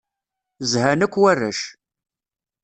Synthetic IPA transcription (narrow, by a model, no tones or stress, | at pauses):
zhænækʷːwærːæ̰ʃ